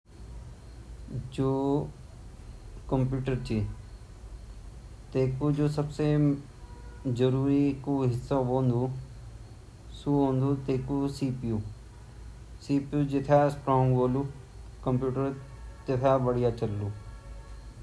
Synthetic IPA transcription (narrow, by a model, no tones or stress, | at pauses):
d͡ʒoː | kə̃mpjuːʈəɾt͡ʃi | t̪eːkud͡ʒoːsɐbse | d͡ʒɐɾuːɾikuɦɪsːaʋõːnd̪u | suõːnd̪ut̪eːkusiːpju | siːpjud͡ʒɪt̪ʰasʈɾõːŋɡʋoːlu | kɐ̃mpjuːʈəɾ | t̪et̪ʰaʋɐɽijat͡ʃɐlːuː